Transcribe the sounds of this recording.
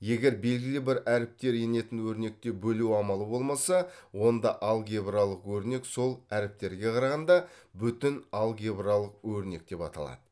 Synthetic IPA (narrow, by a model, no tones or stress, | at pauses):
je̞ɡʲe̞ɾbe̞lɡʲɪlɪbɪɾʔæɾɪp̚t̪e̞ɾe̞ne̞t̪ɪnwɵɾne̞k̚t̪e̞bɵluɑmɑlˠəbo̞lˠmɑsɑwo̞nd̪ɑʔɑlˠɡʲebralˠəqwɵɾne̞kso̞lˠæɾɪp̚t̪e̞ɾɡʲe̞qʰɑɾɑʁɑnd̪ɑbʏt̪ɪnɑlˠɡʲebralˠəqwɵɾne̞k̚d̪̥e̞pɑ̰t̪ɑ̰lˠɑ̰d̪̥ə